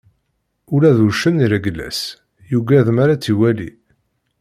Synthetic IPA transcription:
ʊlæðuʃəniɾæɡəlːæ̰s | juɡæðmaɾat͡sːiwælḭ

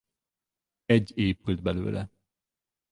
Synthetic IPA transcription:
ɛɟːeːpyld̪̚bɛlø̰ːlʔɛ̰

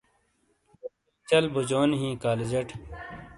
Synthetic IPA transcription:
o | it͡ɕɐlbud͡ʑoːnɦĩːkaːled͡ʑɐʈ

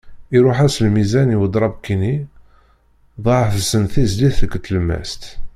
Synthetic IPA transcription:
iɾʊħæslmizæniwəd̪ˤɾˤɑbkːini | ðˤɑʕfəsənθisd̪iθəkːət̪ːlmːæ̰st̪

